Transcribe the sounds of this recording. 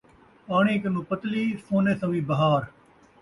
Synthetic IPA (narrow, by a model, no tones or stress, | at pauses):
aːɳ̃ĩːkənũːpət̪liːsoːneːsɐ̃ʋĩːbɐɦaːɾ